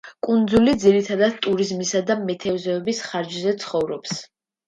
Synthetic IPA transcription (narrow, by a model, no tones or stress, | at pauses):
kʼund̪zulid̪ziɾit̪ʰad̪ad̪̚t̪ʼuɾizmisad̪amɛt̪ʰɛvzɛːbisχaɾd͡ʒzɛt̪sʰχɔvɾɔps